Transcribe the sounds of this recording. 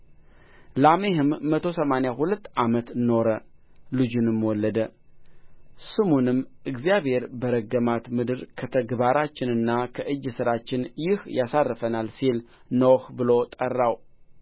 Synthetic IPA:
lamehɨmːət̪ʰo̞səmanjahulət̪ːʔamət̪no̞ɾə | lɨd͡ʒunɨmwɔlːəd̪ə | sɨmunɨmɨɡzijaβhe̞ɾbəɾəɡəmat̪mɨd̪ɨɾkʰət̪ʰəɡbaɾat͡ʃːɪnɨnːakʰəʔɨd͡ʒːsɨɾat͡ʃːɪnjɪhjasarːɨfənalsil | nowhbɨlo̞t̪ʼərːaw

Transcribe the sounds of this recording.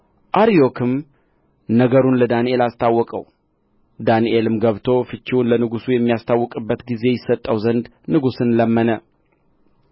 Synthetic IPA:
ʔaɾijo̞kʰɨm | nəɡəɾunləd̪aniʔe̞last̪ʰawːɔkʼə̰w | d̪aniʔelɨmɡəβt̪ʰo̞fɨt͡ʃːiwunlənɨɡusujɛmːijast̪ʰawːɔkʼɨbːət̪ɡize̞jɪsːət̪ʼːəwzənd̪ | nɨɡusɨnləmːənə

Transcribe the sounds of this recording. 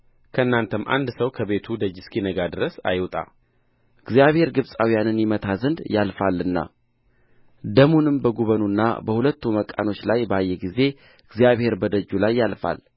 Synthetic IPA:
kʰəɨnːant̪ʰəmʔa̰nd̪səwkʰəβe̞t̪ʰud̪əd͡ʒːɪskʰinəɡad̪ɨɾəsa̰jwt̪ʼa̰ | ɨɡzijaβhe̞ɾɡɨβsʼawijanɨnjɪmət̪ʰazɨnd̪jalfalːɨnːa̰ | d̪əmunɨmbəɡuβənunːa̰bəhulət̪ːuməkʼːa̰no̞t͡ʃːlajbəajːɛɡize̞ | ɨɡzijaβhe̞ɾbəd̪əd͡ʒːulajːalfa̰l

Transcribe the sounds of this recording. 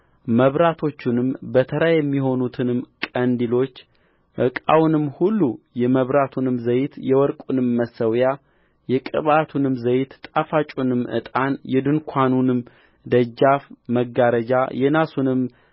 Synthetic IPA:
məβɾat̪ʰo̞t͡ʃːunɨmbət̪ʰəɾajɛmːiho̞nut̪ʰɨnɨmkʼənd̪ilo̞t͡ʃː | ʔɨkʼa̰wnɨmhulːujɛməβɾat̪ʰunɨmzəjt̪jɛwɔɾkʼunɨmːəsːəwja | jɛkʼɨ̰βat̪ʰunɨmzəjt̪t̪ʼafat͡ʃʼunɨmʔɨ̰t̪ʼanjɛd̪ɨnkʷʰanunɨm | d̪əd͡ʒːafməɡaɾəd͡ʒajɛnasunɨm

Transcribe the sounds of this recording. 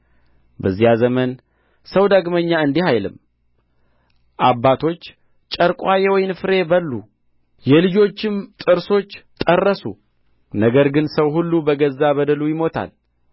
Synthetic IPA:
bəzːijazəmən | səwd̪aɡməɲːaɨnd̪ihajlɨ̰m | ʔabːat̪ʰo̞t͡ʃː | t͡ʃʼəɾkʼwajewɔjnfɨɾe̞bəlːṵ | jɛlɨd͡ʒo̞t͡ʃːɪmt̪ʼɨɾso̞t͡ʃːt̪ʼərːəsṵ | nəɡəɾɡɨnsəwhulːubəɡəzːabəd̪əlujɪmo̞t̪ʰa̰l

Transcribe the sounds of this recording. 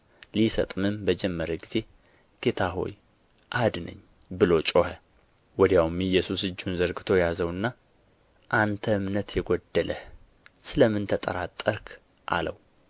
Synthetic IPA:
lisə̰t̪ʼmɨmbəd͡ʒɛmːəɾəɡiz̥e̞ | ɡ̥et̪ʰaɦo̞̰j | ʔad̪nə̰ɲː | bɨlo̞t͡ʃʼohə | wɔd̪jawmɨjːɛsusɨd͡ʒːunzəɾɡɨt̪ʰo̞jazəwɨnːa | ʔant̪ʰəɨmnət̪jɛɡod̪ːəlʔəh | sɨləmːɨnt̪ʰət̪ʼəɾat̪ʼːəɾkʰ | ʔa̰ləw

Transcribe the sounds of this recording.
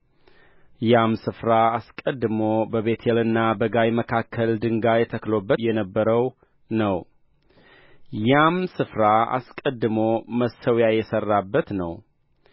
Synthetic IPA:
jamsɨfɾaa̰skʼəd̪ːɨmobəβe̞t̪ʰelɨnːabəɡajməkʰakʰːəld̪ɨŋɡajɛt̪ʰəklo̞bːəjɛnəbːəɾəw | nəw | jamsɨfɾaa̰skʼəd̪ːɨmoməsəwjajɛsərːabːət̪nəw

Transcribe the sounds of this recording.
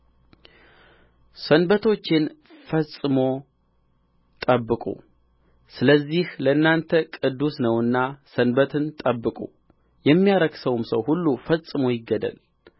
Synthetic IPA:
sənbət̪ʰo̞t͡ʃːɪnfəsʼɨmo̞ | t̪ʼəbːɨkʼṵ | sɨləzːihləɨnːant̪ʰəkʼɨd̪ːusnəwɨnːasənbət̪ʰɨnt̪ʼəbːɨkʼṵ | jɛmːijaɾəɡsəwmsəwhulːufəsʼɨmo̞jɪɡːəd̪ə̰l

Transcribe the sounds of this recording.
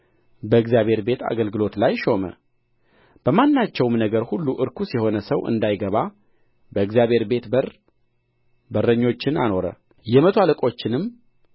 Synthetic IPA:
bəɨɡzijaβʱhe̞ɾbe̞t̪ʰa̰ɡəlɡɨlo̞t̪lajʃo̞mə̰ | b̥əmanːat͡ʃːɛwmnəɡəɾhulːuʔɨɾkʰusiho̞nəsəwɨ̰nd̪ajɡəβa | bəɨɡzjaβhe̞ɾbe̞t̪bər | bərːəɲːo̞t͡ʃːɪna̰no̞ɾə̰ | jɛmət̪ʰoaləkʼo̞t͡ʃːɪnɨmː

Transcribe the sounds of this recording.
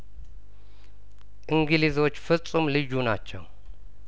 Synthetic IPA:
ʔɨŋɡɨlizo̞t͡ʃːfɨsʼumlɨd͡ʒːunat͡ʃːɛ̰w

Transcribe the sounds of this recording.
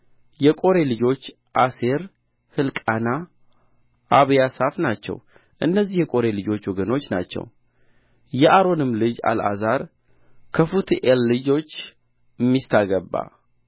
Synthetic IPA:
jɛkʼo̞ɾe̞lɨd͡ʒo̞t͡ʃː | ʔase̞ɾ | hɨlkʼana | ʔaβjasafnat͡ʃːɛ̰w | ʔɨnːəzːihjɛkʼo̞ɾelɨd͡ʒo̞t͡ʃːwɔɡəno̞t͡ʃːna̰t͡ʃːɛ̰w | jɛʔaɾo̞nɨmːlɨd͡ʒa̰la̰zaɾ | kʰəfut̪ʰiʔelːɨd͡ʒo̞t͡ʃː | mːist̪ʰaɡəbːa̰

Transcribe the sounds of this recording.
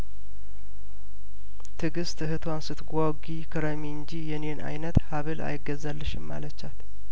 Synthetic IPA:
t̪ʰɨɡɨst̪ʰɨɦɨt̪ʰwansɨt̪ɡʷaɡikʰəɾəmiɨɲd͡ʒijɛnenʔa̰jnət̪haβɨla̰jɪɡːəzalːɨʃɪmːa̰lət͡ʃːat̪

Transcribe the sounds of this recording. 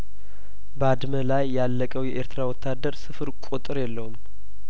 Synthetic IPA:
bəad̪məlajːalːəkʼəwjɛʔeɾt̪ɨɾawɔt̪ʰːad̪əɾsɨfɨɾkʷʼut̪ʼɨɾjɛlːəhum

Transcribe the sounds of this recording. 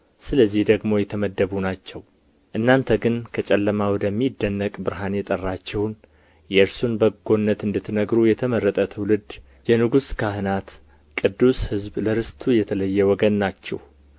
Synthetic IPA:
sɨləzːihd̪əɡmo̞jɛt̪ʰəməd̪ːəβunat͡ʃːɛw | ʔɨnːant̪ʰəɡɨnkʰət͡ʃʼɛlːəmawɔd̪əmːid̪ːənːəkʼbɨɾɦanjɛt̪ʼərːat͡ʃːɛwn | jɛɾsunbəɡo̞nːət̪ɨnd̪ɨt̪ʰːɨnəɡɾujɛt̪ʰəməɾːət̪ʼət̪ʰəwlɨd̪ | jɛnɨɡuskʰaɦɨnat̪ | kʼɨd̪ːushɨzbləɾɨst̪ʰujɛt̪ʰələjːɛwɔɡənːat͡ʃːɛ̰w

